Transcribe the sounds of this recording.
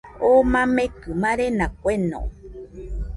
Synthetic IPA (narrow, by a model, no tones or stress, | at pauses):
omãmẽkɨmãɾenãk̚ʷenõ̰